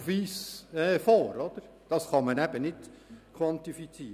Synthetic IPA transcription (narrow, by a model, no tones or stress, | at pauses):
ʋiːsɛːfoːɾɔd̪̥əɾ | d̥ɑsχɑmənæb̥ənɪdkʰwɑnt̪ifit͡siː